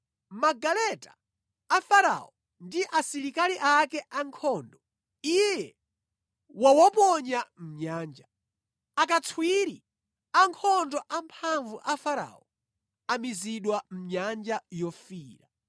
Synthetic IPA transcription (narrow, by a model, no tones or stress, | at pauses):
maɡalɛtaː | faɾa̰ɔ | ndiʔasiɾikaliʔakɛʔaŋkʰɔndɔ | ijɛ | wawɔpɔɲam̩ɲaːnd͡ʒa | akat͡sʰwiɾi | aŋkʰɔndɔʔampʰaɱvuʔafaɾa̰ɔ | amiziɗwam̩ɲand͡ʒajɔfiːɾa